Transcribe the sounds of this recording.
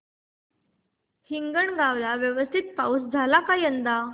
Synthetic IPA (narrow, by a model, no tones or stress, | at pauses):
hiŋɡəɳɡaʋlaʋjəʋəst̪ʰit̪̚pa̰wsd͡zʱalakajənd̪a